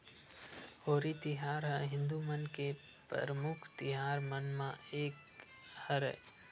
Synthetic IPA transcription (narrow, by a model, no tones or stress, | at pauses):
hoːɾit̪ɪɦaːɾɦɛ̃ɦɪ̃nd̪umənke | pɾə̰ɾəmʊkʰt̪ɪɦaːɾmənmãeːk | həɾɛ̰